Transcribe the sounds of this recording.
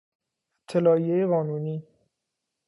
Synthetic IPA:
t̪ʰːelɒːijejeɣɒːnuːniː

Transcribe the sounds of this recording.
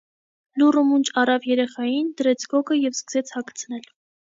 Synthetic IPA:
lurumunt͡ʃʰɑrɑvjɛɾɛχɑjind̪əɾɛt͡sʰɡɔkəjɛvskəzɛt͡sʰhɑkʰt͡sʰənɛl

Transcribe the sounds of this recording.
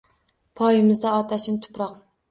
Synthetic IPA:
pʰɒjɪmɪzd̪aɒt̪ʰaʃɪnt̪ʰʊ̥pɾɒq

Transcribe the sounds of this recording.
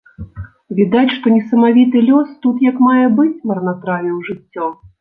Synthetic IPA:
vʲid̪at͡sʲʂt̪ɔnʲɛsɐmavʲit̪ɨlʲɔst̪ut̪jɐkmajɛbɨt͡sʲmɐrnat̪ɾavʲiwʐɨt͡sʲːɔ

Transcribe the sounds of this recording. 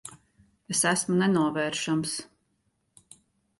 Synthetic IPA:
esæsmunɛnuɔvɛːɾʃams

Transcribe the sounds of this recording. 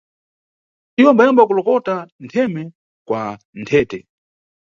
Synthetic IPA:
iwɔmbajimbwakulɔkɔtantʰɛmɛ | kwa | ntʰɛːtɛ

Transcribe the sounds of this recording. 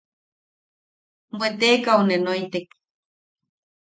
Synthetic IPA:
mwet̪ekaonenojt̪ek

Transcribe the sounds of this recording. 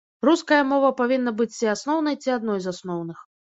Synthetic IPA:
ruskɐjɐmɔvɐpavʲinːɐbɨt͡sʲt͡sʲiasnɔwn̪ɐjt͡sʲiad̪nɔjzasnɔwnɨx

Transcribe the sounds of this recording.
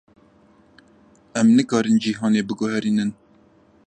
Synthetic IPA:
ɛmnɨkɑːɾɨnd͡ʒiɦɑːneːbɨɡʊhɛɾiːnɨn

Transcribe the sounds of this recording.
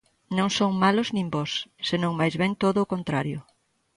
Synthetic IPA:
nõŋsoŋmalʊznĩmbɔsːenõŋmajzβɛŋt̪oðʊːkont̪ɾaɾjʊ

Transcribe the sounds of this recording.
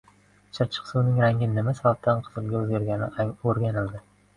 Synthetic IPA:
t͡ʃʰɪɾt͡ʃʰɨ̥qsuwnɪŋɾaŋɡʲɪnɪmasabab̚t̪ʰanqʰɨzɨlˠɡʲaɵzɡʲaɾɡʲanɪaŋoɾɡʲanɪld̪ɪ

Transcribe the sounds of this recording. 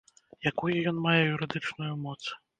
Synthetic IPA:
jakujujɔnmajɛjuɾɨd̪ɨt͡ʂnujumɔt̪s

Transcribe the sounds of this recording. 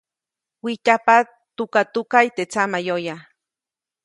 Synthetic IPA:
wicapa | t̪ukat̪ukajt̪et͡samajoja

